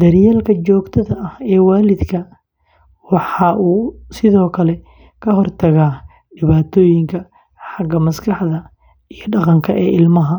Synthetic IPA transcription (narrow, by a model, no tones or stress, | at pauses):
d̪̥ɐɾjaːlkʰɐt͡ʃɔːɡt̪ʰɐðɐɐhɛːwaːlɪd̪kʰɐ | wɑħɑːʔuːsɪðɔːkʰɐlɛ | kʰɐɦɔrt̪ʰɐɣaː | ɖɪβaːt̪ʰɔːjɪŋkʰɐ | ħɑɡɐmɐskʰɑħðɐ | ijɞɖɑqɑŋkʰɐʔɛːʔɪlmɐɦɐ